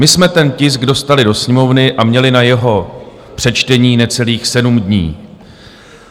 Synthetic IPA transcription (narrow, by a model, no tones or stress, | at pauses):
mɪsmɛt̪ɛncɪsɡdo̞st̪alɪdo̞sɲɛmo̞vnɪʔamɲɛlɪnajɛɦo̞ | pr̝̥ɛt͡ʃt̪ɛɲiːnɛt͡sɛliːxsɛdumdɲḭː